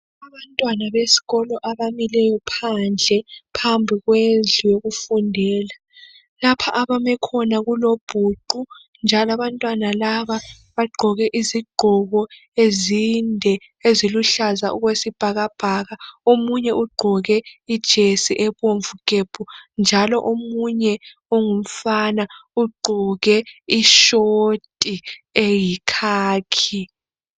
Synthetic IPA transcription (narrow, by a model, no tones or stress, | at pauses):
aβantʼwanaβesi̥ɣɔlɔʔaβamilɛjɔpʰand͡ɮʱɛpʰambʱiɣweɮujoɣufundʱɛːla | lapʰaʔaβamɛkʰɔnaɣulob̥ʱuǃu | nd͡ʒʱalaβantʼwanalaβa | βaɡ͡ǃʱɔɣɛʔiziɡ͡ǃʱɔɣɔ | ezindʱɛ | eziluɬazaʔuɣwesib̥ʱaɣab̥ʱaɣaomuɲɛʔuɡ͡ǃʱɔɣɛid̥ʒ̥ʱesiʔɛβoɱvukʼeb̥ʰʱund͡ʒʱalɔʔomuɲɛ | oŋum̩fanauɡ͡ǃʱɔɣɛiʃotʼiejikʰaːkʰi